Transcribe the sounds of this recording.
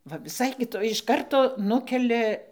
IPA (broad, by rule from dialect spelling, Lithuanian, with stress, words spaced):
ˈʋɐ ʋʲɪˈsɐɪ kʲɪˈtoːj ɪʃ ˈkɐrtoː ˈnʊkʲɛlʲɛ